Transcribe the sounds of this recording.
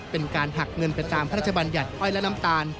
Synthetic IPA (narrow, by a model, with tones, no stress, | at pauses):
pe˧nkaː˧nɦa˨˩k̚ŋɤ˧npa˧jt̪aː˧mpʰa˦ɾa˥˩t̪ʰa˧baː˧nja˨˩t̪̚ʔɔ˦˥˩jlɛ˦˥na˦˥mt̪aː˧n